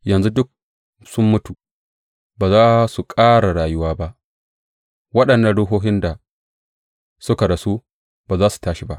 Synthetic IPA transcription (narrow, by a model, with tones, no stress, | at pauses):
jɐ˨nzu˦dʊ˦k̚ | sʊ˦mːʊ˦tu˨ | baː˨zaː˦su˨kʼaː˦ɽa˨ɽaː˨jʊ˦waː˦ba˦ʔ | wɐ˦ɗɐ˨nːɐ˦˨ɽʊ˦ɦoː˦ɦɪ˦nda˨ | sʊ˦ka˨ɽa˨su˦ | b̥aː˨zaː˦su̥˨taː˦ʃi˦ba˦ʔ